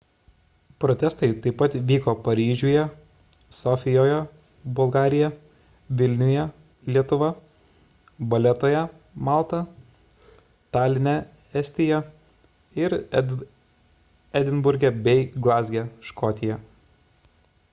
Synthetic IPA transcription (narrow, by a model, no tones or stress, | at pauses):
pɾɔːt̪ʲɛst̪ɐɪt̪ɐɪpːɐt̪ʋʲiːkoːpɐɾʲiːʒʲʊjɛ | sɔːfʲɪjoːjɛ | bʊlˠɡɑːɾʲɪjɛ | ʋʲɪlʲnʲʊjɛ | lʲiɛt̪ʊʋɐ | bɐlʲɛt̪oːjɛ | mɑˑlˠt̪ɐ | t̪ɑːlʲɪnʲɛ | ɛsʲt̪ʲɪjɛ | ɪɾ | ɛd̪ʲɪnbʊɾʲɡʲɛbʲɛɪɡlˠɑːzʲɡʲɛʃkɔːt̪ʲɪjɛ